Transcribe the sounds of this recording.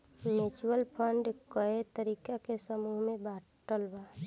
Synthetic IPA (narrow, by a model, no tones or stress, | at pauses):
mɪt͡ʃwəlpʰəɳɖkəet̪əɾiːkakesəmuːɦmẽbaːʈəlbaː